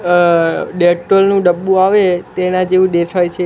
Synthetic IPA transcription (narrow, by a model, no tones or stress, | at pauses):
ɖeʈʈolnũɖəbːũaʋet̪enãd͡ʒeʋũɖeʈʰajt͡ʃʰe